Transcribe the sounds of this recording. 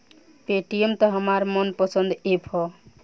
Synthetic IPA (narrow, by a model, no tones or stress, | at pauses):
peʈijemt̪ɔɦəmaɾmənpəsə̃nd̪epʰɔ